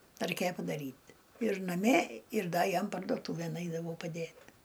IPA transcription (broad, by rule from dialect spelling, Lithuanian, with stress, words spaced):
rɐɪˈkʲeːjɛ pɐdɐˈrʲiːt ɪr nɐˈmʲiɛ ɪr ˈdɐ ˈjɛm pɐrdoːˈtuːʋʲeːn ˈɐɪdɐʋɐʊ pɐˈdʲeːt